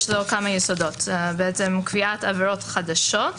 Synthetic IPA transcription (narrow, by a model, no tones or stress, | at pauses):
ʃzokamajesodot̪beet͡semkviat̪aveɾotχad̪aʃot